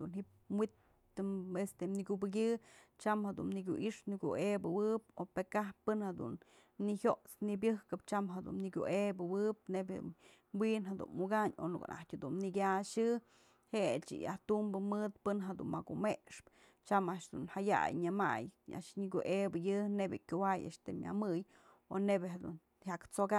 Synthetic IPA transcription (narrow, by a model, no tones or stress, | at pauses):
d̪unɦip | mwit̪ | ɨmest̪emniɡʲubɨɡ̬ʲɨt͡ʃamhad̪ṵnniɡʲuʔiʂnikʲṵʔebɨwɨp̚opekahpːɨnhad̪ṵn | nihʲjoʔt͡snibʲɨhkɨpt͡ʃamɦad̪ṵnniɡʲṵʔebɨwɨp̚nebʲ | winɦad̪ṵnmuɡaɲo̰nuka̰nʔa̰htʲhad̪unnikʲaʃɨ | het͡ʃḭja̰ht̪umbɨmɨt̪̚pɨnɦad̪ṵnmakumeʔʂp | t͡ʃamaʔʂd̪unhaja̰jɲɨma̰ja̰ʔʂɲiɡʲuʔebɨjɨnebʲɨkʲuwaja̰ʔʂt̪ɨmʲja̰mɨj | o̰nebʲeɦad̪un | hakt͡soka